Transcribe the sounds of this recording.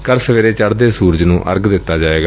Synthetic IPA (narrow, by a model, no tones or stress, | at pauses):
kəɾsəʋeːɾeːt͡ʃəɽd̪eːsuːɾd͡ʒnũːʔə̰ɾɡd̪ɪt̪ːaːd͡ʒaːʋeːɡa